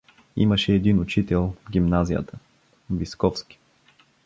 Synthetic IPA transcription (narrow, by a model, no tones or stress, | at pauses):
ḭməʃɛːd̪inʊt͡ʃit̪ɛlˠvɡʲimnazijə̰t̪ə | viskɔfski̥